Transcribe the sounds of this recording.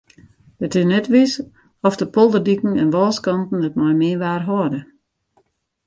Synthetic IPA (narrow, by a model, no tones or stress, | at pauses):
ətɪsnɛtʋis | ɔfdəpolˠdərdikn̩ɛnʋɔlˠskɑntn̩dətmɔjmɪːʋaːrɦɔədə